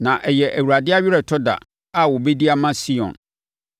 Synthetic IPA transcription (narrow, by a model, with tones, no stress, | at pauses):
nã˨ʔɛ˨jɛ˨ʔæ˨wu˨ɾa˨dɪ˦a˦ɥɪ˦ɾɛ˨tʰɔ˦da̰˨ | a˨wɔ˨be˦di˦a˦mã˦si˦ɔ̰̃˨n